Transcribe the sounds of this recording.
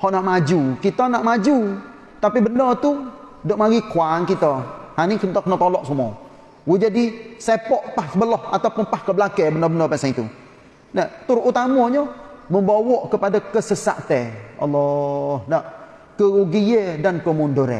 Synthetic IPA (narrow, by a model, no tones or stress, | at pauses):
hɔʔnaʔmad͡ʒukit̪ɔnaʔmad͡ʒu | t̪apibəndɔt̪u | doʔmaɡikuankit̪ɔhanikət̪ɔkənɔt̪ɔlɔʔsumɔ | wud͡ʒadisepɔʔpahsəbəlɔhat̪awpʊnpahkəbəlakɛbənɔbəndɔpansaŋit̪ṵ | nat̪uɾʔut̪amɔɲɔməmbawɔʔkəpadakəsəsa̰ʔt̪ɛɑ̰lːɔhnaʔ | kəuɡiedankəmundoɾḛ